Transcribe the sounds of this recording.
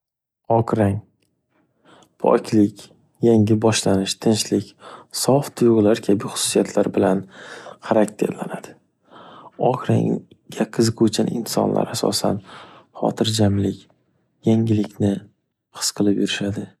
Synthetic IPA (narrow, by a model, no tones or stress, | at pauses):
ɒkɾaŋ | pʰɒ̰kʲʰlɪkʲ | jaŋɪbɒʃlanɪʃt̪ʰɪnt͡ʃlɪkʲsɒft̪ʰʊjʁlaɾkʲʰabɪχʊ̥su̥sijat̪ʰlaɾbɪlanχaɾak̚ʲt̪ʰe̞̰ɾla̰nad̪̥ɪ | ɒkʰɾa̰ŋ | ɡʲaqʰɨzɨqot͡ʃʰanɪ̰nsɒ̰nlʔa̰ɾasɒ̰sa̰nχɒ̰t̪ʰɪɾd͡ʒamlɪkʲ | jaŋʲɪlɪkʲnɪ | qʰɨ̥sqʰɨlˠɪpjuɾɪʃad̪ɪ